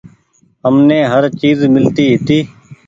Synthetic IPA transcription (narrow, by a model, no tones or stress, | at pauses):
ɦəmneːɦəɾt͡ʃiːzmɪlt̪iːɦɪt̪iː